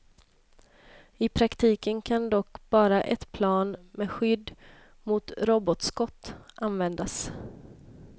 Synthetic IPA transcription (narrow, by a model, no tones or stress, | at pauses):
ɪpʰɾakt̪ʰiːkənkʰand̪ɔkːb̥ɑːɾaʔɛt̪pʰlɑːnmɛɧʏd̪ː | mʊt̪ɾoːbɔt̪skɔt̪ːʔanvɛnd̪as